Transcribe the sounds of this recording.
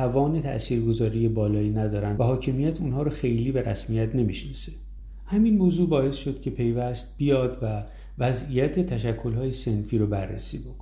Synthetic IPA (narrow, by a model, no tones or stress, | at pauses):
ævɒːne̞t̪ʰæ̰ʔsiːɾɡo̞zɒːɾijebɒːlɒːiːnæd̪ɒːɾænvæhɒːcʰe̞mijæt̪ʰunɦɒːɾɒxe̞jliːbeɾæsmijæt̪ʰne̞miʃnɒse | hæminmoːzuːbɒːe̞sʃod̪̥cʰe̞pʰe̞jvæst̪̚b̥ijɒːd̪væ | væzijæt̪ʰe̞t̪ʰæʃ̬ækʰːo̞lɦɒːje̞se̞nfiːɾɔbæ̰rːḛsḭːbokʰo̥